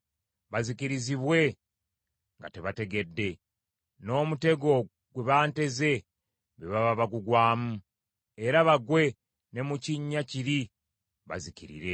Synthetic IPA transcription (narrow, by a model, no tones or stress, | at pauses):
βazikiɾiziβwe̞ | ŋɡa̰te̞βate̞ɡe̞dːe̞ | no̞ːmute̞ɡo̞ | ɡweβaːnte̞ze̞ | βeβaβaβaɡuɡwaːmu | e̞ɾaβaɡwe̞ | ne̞muciɲːaciɾi | βa̰zikiɾḭɾe̞